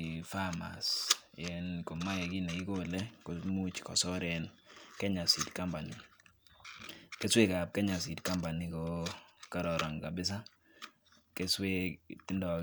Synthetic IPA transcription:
fa˦ma̰˨sɛ˨nko˨ma˦jɛ˨ki˦ne˨i˦ko˦lɛ˦ko˨mu˦t͡ʃkɔ̰˨sɔ˦ɾɛ˨nkɛ˦ɲa˨si˨dka˦mba˨ni˨ | ke˦swe˦ka˨b̚kɛ˦ɲa˨s̬i˨dka˦mba˨ni˨ko˨ka˦ɾɔ˨ɾɔ˨ŋka˨bɪ˦s̬a˦ | ke˦swe˦tɪ˦ndɔ˨

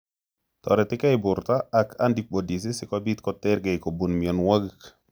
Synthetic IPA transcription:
tɔ̰˨ɾɛ˨tɪ˦ka˦ɪ˨bʊ˨ɾta˦a˨kʰa˦ndi˨ɓo˨di˨s̬ɪ˦sɪ˨ka˦bi˦t̪kɔ˨tɛ˦ɾɡe˨ɪko˨bu˨nmi˨ɔ˨nwa˦ɡk

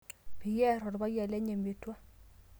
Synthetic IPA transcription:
pi˨jɛ˦ɾɔ˨dba˦jɛ˨lɛ˦ɲe˨me˨twa˦

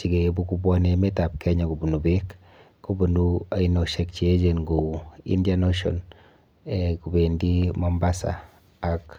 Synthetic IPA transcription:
t͡ʃi˨ɡe˨˦bu˦ku˦bwɔ˦ne˦me˦ta˨p̚kʰɛ˦ɲa˨ku˨bu˨nu˨be˦kː | o˦bu˨nua˨i˨no˨ʃɛk̚t͡ʃi˨e˦d͡ʒe˨nɡo˨ḭ˦ndja˦no˦ʃɔ̰˨n | ekube˨ndi˦mɔ˦mba˦sa̰ː˨ | k

